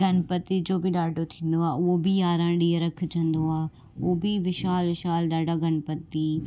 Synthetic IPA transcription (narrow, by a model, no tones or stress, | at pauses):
ɡʱɐnpət̪id͡ʑoːbiɗaːɖʱot̪ʰĩːn̆d̪oaːʊɦobijaːɾãːɖiːəɾɐkʰd͡ʑʰə̃nd̪oaː | biʋɪʃaːlʋɪʃaːlɗaːɖaɡʱɐnpət̪i